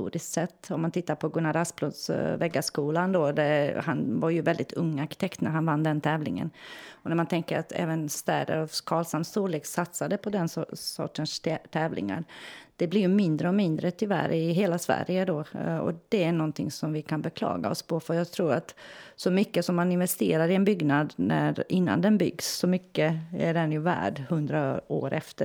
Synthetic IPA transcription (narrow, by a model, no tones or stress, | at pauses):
t̪ṵːɾɪskt̪sɛt̪ːɔmːant̪ʰɪt̪ːaɾpʰɔɡɵnːaɾasplʊd̪svɛɡːaskuːland̪oːd̪ɛhanvaɾjɵvɛld̪ɪt̪ʰɵŋːaɾkɪt̪ʰɛkt̪næ̰ɾɦanvanːd̪ɛnt̪ʰɛːvlɪ̰ŋə̰nɔnæɾmant̪ʰɛŋkəɾat̪ʰɛ̰ːvənst̪æ̰ːɖə̰ɾɔkʰɑːlsamsuːleːksat̪sad̪ɛpʰɔd̪ɛnsɔ̰ʈənst̪ʰɛːvlʔɪ̰ŋa̰ɾd̪̥ɛblɪɾjɵmɪnd̪ɾəɔmɪnd̪ɾət̪ʰʏvæ̰ɾɪɦeːlasvæ̰ɾjəd̪oːɔ̰d̪̥ɛæɳɔnt̪ʰɪŋsɔmvɪkʰanbɛkʰlɑ̰ːɡa̰ɔ̰spʰɔfœjɑːɡt̪ʰɾuːɾat̪sɔmʏkːəsɔmːanɪnvɛst̪eːɾaɾɪɛnbʏɡnad̪næɾɪnːa̰nd̪ɛnbʏ̰ɡsːɔmʏkːəæɖɛnjʉvæ̰ːɖhɵnd̪ɾao̰ːɾɛft̪ə